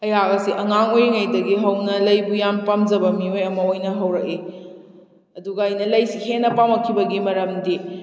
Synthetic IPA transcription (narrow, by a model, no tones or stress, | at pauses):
ɐjaɡɐsiʔɐŋaŋojŋajdɐɡiɦɐwnɐlɐjbujampamd͡ʒɐbɐmiojɐmɐojnɐɦɐwɾɐk̚i | ɐduɡɐːjnɐlɐjsihenːɐpamɐkʰːibɐɡimɐɾɐmdi